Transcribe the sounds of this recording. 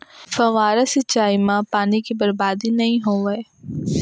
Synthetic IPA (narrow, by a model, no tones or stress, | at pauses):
fɐʋaːɾəsɪt͡ʃaːimãpaːnikibɐɾbaːd̪inɐɦĩɦoːʋɐe